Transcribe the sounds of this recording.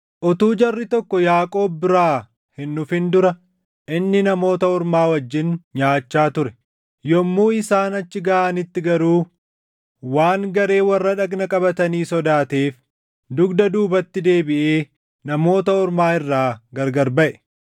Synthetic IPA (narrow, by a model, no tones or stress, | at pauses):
ʔɔt̪uːd͡ʒɐrːɪt̪ɔkːɔjaːkʼo̞ːbːɪɾaː | hɪnːʊfɪnd̪ʊɾɐ | ʔɪnːɪnɐmo̞ːt̪ɐɔɾmaːwɐd͡ʒːɪnɲaːt͡ʃːaːt̪ʊɾɛ | jɔmːuːɪsaːnɐt͡ʃːɪɡɐaːnɪt̪ːɪɡɐɾuː | waːŋɡɐɾe̞ːwɐrːɐᶑɐɡnɐkʼɐbɐt̪ɐniːsɔd̪aːt̪e̞ːf | d̪ʊɡd̪ɐd̪uːbɐt̪ːɪd̪e̞ːbɪʔeː | nɐmo̞ːt̪ɐɔɾmaːɪrːaːɡɐɾɡɐɾbɐʔɛ̥